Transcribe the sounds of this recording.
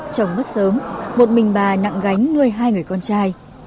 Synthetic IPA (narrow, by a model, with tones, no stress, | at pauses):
t͡ɕə˨˩wŋ͡mɓə˦˥t̚səː˨˦mmo˨˩t̚mï˨˩ŋ̟ɓaː˨˩na̰˧˨ŋɣa˨˦jŋ̟nu˧əjɦaː˧jŋɨ˨˩əjkɔ˧nt͡ɕaː˧j